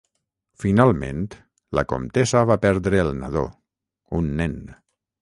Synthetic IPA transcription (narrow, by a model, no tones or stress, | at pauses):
finalˠmḛ̃nt̪ | lə̰ko̰mt̪ezəβapɛɾðɾəːlˠna̰ðo̰ | unːɛn